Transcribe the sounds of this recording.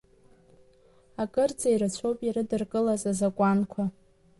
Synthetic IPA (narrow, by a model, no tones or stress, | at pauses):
akʼɨrt͡sʼaiɾat͡ɕʷʰowpʼiɾɨdɨrkʼɨlazazakʷʼankʷʰa